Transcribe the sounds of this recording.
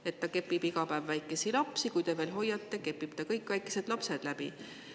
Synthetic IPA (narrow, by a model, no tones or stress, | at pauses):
e̞t̪ːɑke̞pːˑib̥iɡɑpævːæjkːˑe̞silɑpsikujt̪e̞ve̞ːlɦo̞jːɑt̪ːe̞ke̞pːˑib̥t̪ɑkɤjkˑvæjkːˑe̞se̞d̪̥lɑpse̞d̪̥læb̥ḭ